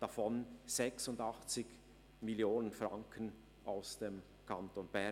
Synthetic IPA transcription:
d̥afɔnz̥ɛksʊndɑχt͡sɪk | mɪljoːnənfʁaŋkʰən | ʔaʊsd̥em | kʰantonb̥ɛ

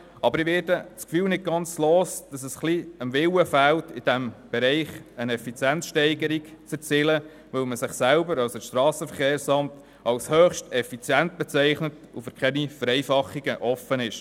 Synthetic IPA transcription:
ʔɑbəɾiʋɪɾdəskfyːlnɪt̚ɡɑnt͡sloːsd̥ɑsɛsχliəmvɪləfæltɪd̥ɛmb̥ɛɾɛɪχənɛfit͡sjænsʃtɛɪɡəɾikt͡sɛɾt͡sɪlə | ʋœlməsɪχsælbəɾɑlsəʃtɾɑːsəfəχeːɾsɑmt | ɑlshøːχʃtɛfit͡sjænt̚b̥ɛt͡sɛɪχnət | ufəɾkχɛnifəɾɛɪfɑχːiɡ̥əʔɔfənɪʃ

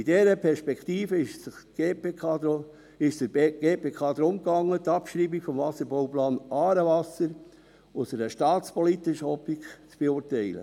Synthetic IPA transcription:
idɛɾəpʰɛɾʃpɛkt̪iːfəɪʃɪɡ̥eːpeɑ | ɪʃd̥əɡeːpeːkʰɑːd̪ɾʊmkɑŋːətɑpʃɾiːbikfɔmvɑsəɾbɔwplɑːnɑːɾəvɑsəɾ | ʊsəɾəʃtɑːt͡spɔlit̪əʃɔpikt͡sb̥eʊːɾtɛɪlə̰

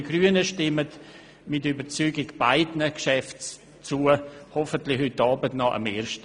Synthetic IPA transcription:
ɡ̥ɾyːənəʃtɪmət | mɪtybət͡syːɡɪɡb̥aɪdnəkʃɛft͡s | t͡suəhɔfəntlɪxhytːɑːbətnɔʔə̰meːɾʃt

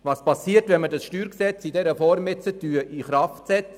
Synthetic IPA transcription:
vɑːspɑsiːətʋɛnmədɑsʃtyːɾksɛt͡sidɛɾəfɔːɾmɪt͡sətyːʔiχɾɑftsɛt͡s

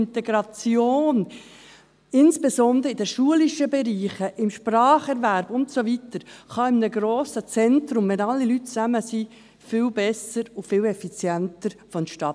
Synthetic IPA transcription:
nt̪ɛɡɾɑt͡sjoːn | ɪnsb̥esɔnd̪ɾəidəʃuəliʃəbɛɾiːχəʔɪmʃprɑːχɛɾvæɾbʊntsovitəɾχɑɪmnəɡɾoːsət͡sɛntɾʊmʋɛnɑlːilytt͡sæməsi | fɪlbɛsəɾʊfɪːlɛfit͡sjæntəɾfɔnʃtɑ

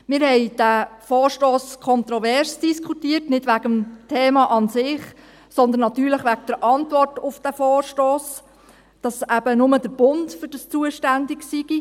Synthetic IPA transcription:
mɪːɾhɛɪd̥æfɔːɾʃtoːskʰɔnt̪ɾɔʋɛɾsd̥iskʰutiərtnɪdʋæɡəmtʰɛːmɑʔɑnsɪχ | sɔnd̪ənːɑt̪yːɾləχʋæk̚d̥əɾʔɑntvɔrtʊfd̥æfɔːrʃtoːs | d̥ɑsæb̥ənʊməd̥əɾb̥ʊntfʏd̥əst͡suəʃtændiksiɡ̥i

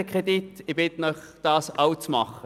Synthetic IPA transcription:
əkʁeditɪbɪt̪ənœχd̥ɑːsawt͡smɑ̰χə

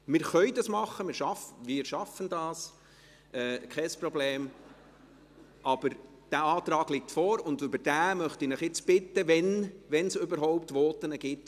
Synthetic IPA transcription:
mɪːɾχœʏdɑsmɑχːəmɪɾʃɑfʋɪːɾʃɑfəndɑːs | ʔɛkʰɛsprɔbleːm | ʔɑb̥əɾ | d̥æɑːt̪ɾɑːɡ̥lɪk̚tfɔːɾʊndʏbəɾd̥æːmœχtɪnɪχɪt͡sb̥ɪtːəʋɛnʋɛnsʏbəɾɦɔʊptʋɔːtənəɡ̥ɪtː

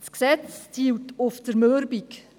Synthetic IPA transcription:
sksɛt͡st͡siwtʊftəɾmøɾbik

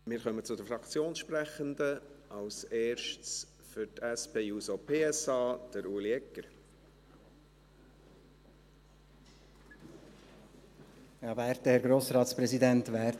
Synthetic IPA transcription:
mɪːɾχœmət͡sʊdəfɾɑkt͡sjoːnsʃpɾɛχənd̪əʔɑwseːɾʃts | fʏɾtɛspʰeːjuːsopʰeːɛsɑːd̪̥əɾuːliɛkːəɾ | jɑːvæːɾt̪əhɛɾɡɾoːsɾɑːt̪spɾɛzidɛntʋæːɾ

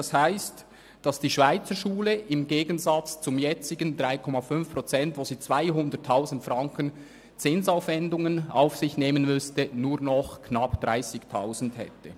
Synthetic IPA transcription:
d̥ɑshaɪst | d̥ɑsd̥iːʃv̥aɪt͡səʃuːləʔɪmɡeːɡənzɑt͡st͡sʊmjɛt͡sɪɡəndʁaɪkʰɔmɑfʏnfpʁ̥ot͡sɛntvoːziːt͡sv̥aɪɦʊndətʰːaʊzn̩tfʁaŋkən | t͡sɪnsaʊfvɛndʊŋəna̰ʊfsɪçneːmənmʏstənuːɐnɔχkʰnɑpd̥ʁaɪsɪçtʰaʊzn̩dhɛ̰tə

